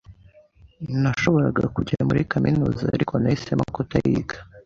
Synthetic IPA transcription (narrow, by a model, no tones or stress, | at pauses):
naʃo̞βo̞ɾaɡa̰kuɟaamuɾikaminuːza̰ːɾikʰo̞naesemakotajiːɡḁ